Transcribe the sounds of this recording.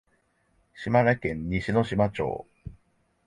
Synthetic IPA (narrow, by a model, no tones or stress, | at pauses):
ɕimaɾakẽɲ̟ɲiɕino̞ɕimat͡ɕo̰ː